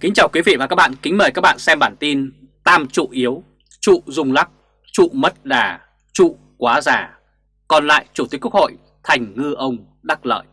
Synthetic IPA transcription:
kï˨˦ŋ̟t͡ɕaː˨˩wkwi˨˦vḭ˧˨vaː˨˩kaː˦˥k̚ɓa̰ː˧˨kï̟˨˦məː˨˩jkaː˦˥k̚ɓa̰ː˧˨nsɛ˧mɓaː˧˩nt̪i˧n | t̪aː˧mt͡ɕṵ˧˨ʔi˨˦əw | t͡ɕṵ˧˨zʊ˨˧˩ŋ͡mla˦˥k̚ | t͡ɕṵ˧˨mə˦˥t̚ɗaː˨˩ | t͡ɕṵ˧˨ | kwaː˨˦zaː˧˩ | kɔ˧˩nla̰ː˧˨jt͡ɕu˧˩i˨˦əkkho̰˧˨j | t̪ʰa˨˩jŋ̟ŋɨ˧ʔə˧wŋ͡m | ɗa˦˥k̚lə̰ː˧˨j

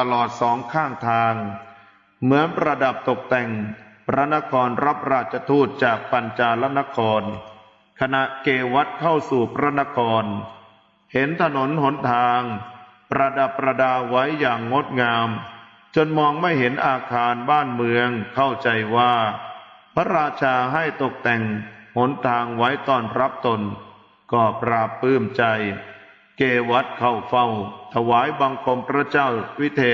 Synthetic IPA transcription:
t̪a˧lɔː˨˩t̪̚sɔː˩˦ŋkʰaː˥˩ŋt̪ʰaː˧ŋ | mɯ˩˦ənpɾa˧da˨˩p̚t̪o˨˩k̚t̪ɛ˨˩ŋpʰɾa˦˥na˦˥kʰɔː˧nɾa˦˥p̚ɾaː˥˩t̪̚t͡ɕʰa˧t̪ʰuː˥˩t̪̚t͡ɕaː˨˩k̚pa˧nt͡ɕaː˧la˦˥na˦˥kʰɔː˧n | kʰa˧na˨˩ʔkeː˧wa˦˥t̪̚kʰa˥˩wsuː˨˩pʰɾa˦˥na˦˥kʰɔː˧n | he˨˦nt̪ʰa˧no˩˦nɦo˩˦nt̪ʰaː˧ŋ | pɾa˧da˨˩pːɾa˧daː˧wa˦˥jːaː˨˩ŋːo˦˥t̪̚ŋaː˧m | t͡ɕo˧nmɔː˧ŋma˥˩jɦe˩˦nʔaː˧kʰaː˧nbaː˥˩nmɯ˧əŋkʰa˥˩wt͡ɕa˧jwaː˥˩ | pʰa˦˥ɾaː˧t͡ɕʰaː˧ɦa˥˩jt̪o˨˩k̚t̪ɛ˨˩ŋho˩˦nt̪ʰaː˧ŋwa˦˥jt̪ɔː˥˩nɾa˦˥p̚t̪o˧n | kɔː˧˨˩p̚ɾaː˧˩pːɯː˥˩mt͡ɕa˧j | keː˧wa˦˥t̪̚kʰa˥˩wfa˥˩wt̪ʰa˧waː˩˦jba˧ŋkʰo˧npʰɾa˦˥t͡ɕaː˥˩wwi˦˥t̪ʰeː˧

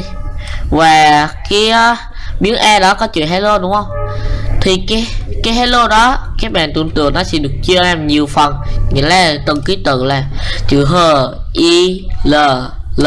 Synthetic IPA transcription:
vaː˨˩kaː˨˦j | ɓi˨˦əŋʔɛ˧ɗɔ˨˦kɔ˨˦t͡ɕɨ̰˧˨ɦɛ˨˦lo˧ɗʊ˨˦ŋ͡mhə˧wŋ͡mt̪ʰi˨˩kaː˨˦jkaː˨˦jɦɛ˨˦lo˧ɗɔ˨˦kaː˨˦jɓa̰ː˧˨nt̪ṵ˧˩ənt̪ɨ̰˨˩əŋnɔ˨˦sɛ̰˧˥ɗɨ˨˩ək̚t͡ɕɨ˧əaː˧mɲi˨˩əwfə˨˩nŋḭ˧˨˥laː˨˩t̪ə˨˩ŋki˨˦t̪ɨ̰˧˨laː˨˩t͡ɕɨ̰˧˨ɦəː˨˩ʔi˧ləː˨˩l

